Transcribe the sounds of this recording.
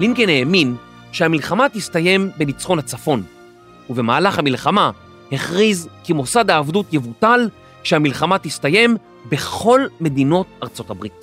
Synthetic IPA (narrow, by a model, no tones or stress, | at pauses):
limkeneːmin | ʃeamilχamat̪ist̪aje̞mbenit͡sχo̞nhat͡safo̞n | uvemaːlaχhamilχama | heχʁizkimo̞sadhaːvdutjevutal | ʃeamilχamat̪istaje̞m | be̞χo̞lme̞dino̞t̚aʁt͡so̞tabʁit